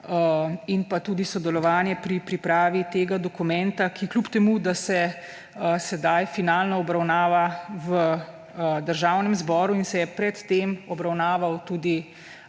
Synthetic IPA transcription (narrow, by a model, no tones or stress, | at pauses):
inpat̪uːd̪isɔd̪ɛlɔʋaːnjɛpɾipɾipɾaːʋit̪eːɡad̪ɔkumɛnt̪akiklupt̪ɛmuːd̪asɛ | sɛd̪ajfinaːlnɔːbɾawnaːʋaʋə | d̪əɾʒaːwnɛmzbɔːɾuinsɛjɛpɾɛt̪ːemɔbɾawnaːʋawt̪uːd̪i